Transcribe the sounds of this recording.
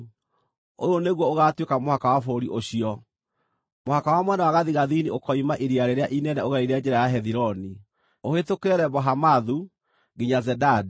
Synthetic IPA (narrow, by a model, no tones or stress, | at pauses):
o̰ɾɔneɣwɔoɣatwekamohakawafoɾiʔoɕiɔ | mohakawamwɛnawaɣaðiɣaðiniokɔimaʔiɾiaɾeɾeaʔinɛnɛoɣaɾiɾead͡ʒɛɾajaɦɛðiɾɔni | ohetokɛɾɛβɔɦamaðu | ɡiɲazɛdad